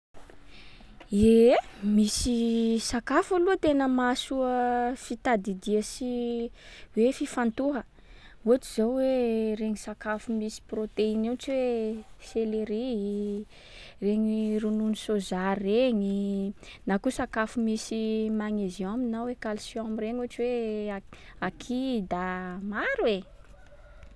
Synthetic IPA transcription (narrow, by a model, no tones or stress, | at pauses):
emisisakafaluət̪enəmasuəfit̪ad̪id̪iəsi | wefifant̪uɦə | uaʈ͡ʂizawweɾeɲisakafumisi̥prot̪einint͡ʃiweseleɾi | reɲirununisozaɾːeɲinakusakafumisimaŋeziaminawekalsjamiɾeɲuaʈ͡ʂiwe | akʰid̪amaɾwe